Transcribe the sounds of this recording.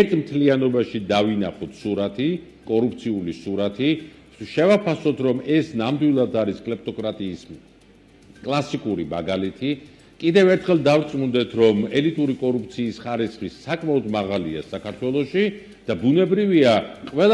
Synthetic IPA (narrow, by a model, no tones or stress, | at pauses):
ɛɾt̪ʰmt̪ʰlianɔbaʃid̪avinaχɔt̪ʰsuɾat̪ʰi | kʼɔɾup̚ʰt̪sʰiulisuɾat̪ʰi | ʃɛvapʰasɔt̪ʰɾɔmɛsnamd̪wilˠad̪aɾiskʼlɛp̚t̪ʼɔkʼɾat̪ʼiːs | kʼlˠasikʼuɾima̰ɡalit̪ʰi | kʼid̪ɛvɛɾt̪ʰχɛlˠd̪avɾt̪sʼmund̪ɛt̪ʰɾɔmɛlit̪ʼuɾikʼɔɾup̚ʰt̪sʰiːsχaɾisχisakʼmaɔd̪maʁalia̰sakʰaɾt̪ʰwɛlˠɔʃi | d̪̥abunɛbɾiviaqʼɛl